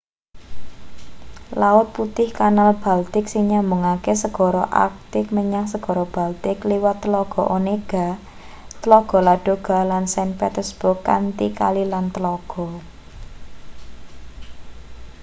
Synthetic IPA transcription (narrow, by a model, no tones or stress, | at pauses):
laʊt̪̚put̪ɪhkanalb̥alt̪ɪksiŋɲambuŋakesəɡ̥ɔ̤ɾɔʔa̰k̚t̪ɪk̚məɲaŋsəɡ̥ɔ̤ɾɔb̥a̤lt̪ɪkliwat̪ːəlɔɡ̥ɔ̤ʔoneɡ̥a̤ | t̪əlɔɡ̥ɔ̤laɖ̥o̤ɡ̥a̤lansanpet̪ərsb̥ʊrkːa̰nt̪ikalilant̪əlɔɡ̥ɔ̤